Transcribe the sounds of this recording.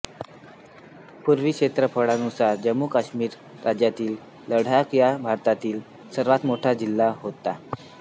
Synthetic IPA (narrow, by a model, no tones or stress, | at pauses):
puɾʋiːkʂet̪ɾəpʰəɽanusaɾd͡ʑəmːukaɕmiːɾː | ad͡ʑjat̪iːlː | əɽ̤akjabʱaɾt̪at̪iːl | səɾʋat̪moʈʰad͡ʑilːaɦot̪ːa